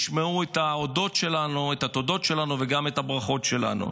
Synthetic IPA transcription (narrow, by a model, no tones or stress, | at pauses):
ʃmeuetaodo̞tʃe̞lanuet̪at̪odo̞tʃelanuveɡametabʁaχo̞tʃe̞la̰nṵ